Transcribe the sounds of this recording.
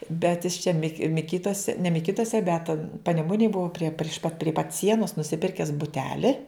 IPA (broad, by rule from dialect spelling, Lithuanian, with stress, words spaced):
ˈbʲɛt jɪs t͡ʃʲɛ ˈmʲɪ mʲɪˈkʲiːtuɔsʲɛ nʲɛ mʲɪˈkʲiːtuɔsʲɛ bʲɛt pɐnʲɛˈmʊnʲeːj ˈbʊɐ pʲrʲiɛ pʲrʲɪʃ pɐt pʲrʲiɛ pɐt ˈsʲiɛnoːs nʊsʲɪˈpʲɪrʲkʲɛs bʊˈtʲæːlʲɪ